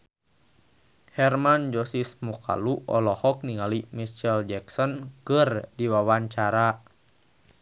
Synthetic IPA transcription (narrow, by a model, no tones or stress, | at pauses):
hɛrmand͡ʒɔsismɔka̰luʔɔlɔhɔk̚niŋalimit͡ʃɛld͡ʒɛksɔnkɨrdiwawaɲt͡ʃaɾa